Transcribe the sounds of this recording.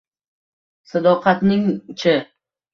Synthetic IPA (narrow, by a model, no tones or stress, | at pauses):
sad̪ɒqʰɑt̪nɪŋt͡ʃʰɪ